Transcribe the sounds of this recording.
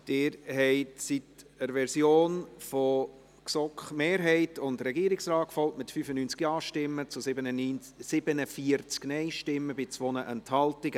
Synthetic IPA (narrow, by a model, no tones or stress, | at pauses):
d̥ɪːɾhɛɪtsitəɾʋɛɾsjoːnfɔ | ksɔkχmeːɾɦɛɪtʊndɾɛɡiːɾɪksɾɑːkfɔltmɪtfyːfənyːnt͡skjɑːʃtɪmːət͡sʊsɪbənən | sɪb̥ənəfiəɾt͡sknɛɪʃtɪmːəbɪt͡svonəʔɛnthɑltɪɡə